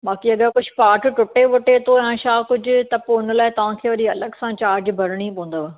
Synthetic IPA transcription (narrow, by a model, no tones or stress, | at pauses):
maːkiɐɠəkʊd͡ʑʱpaːʈʈʊʈeʋɐʈet̪ʰoãːʃaːkʊd͡ʑʱʊ̆t̪ɐpoʊnlaːɪt̪ɐʋ̤ãːkʰeːʋɐɾiɐləɠsãt͡ɕaːɾd͡ʑbʱɐɾɪɽ̃ipõːũnd̪oʋ